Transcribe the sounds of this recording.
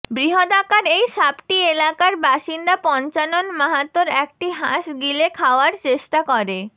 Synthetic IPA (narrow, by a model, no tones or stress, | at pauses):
bɾiɦod̪akaɾejʃapʈielakaɾbaʃind̪apɔnt͡ɕanonmaɦat̪ːoɾɛk̚ʈiɦaʃɡilekʰaoaɾt͡ɕeʃʈakoɾe